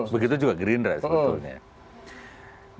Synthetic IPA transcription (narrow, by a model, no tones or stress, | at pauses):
bəɡit̪̬ud͡ʒuɡaɡɾinrɛ̰st̪uɲa̰